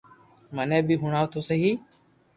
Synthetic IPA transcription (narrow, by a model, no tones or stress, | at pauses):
mənẽːbʱiːɦʊɳaːʋt̪ʰoːsəɦiː